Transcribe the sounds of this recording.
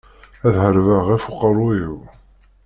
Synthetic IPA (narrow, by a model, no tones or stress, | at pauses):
æðhəɾvəʁæfuqːərˤːujiw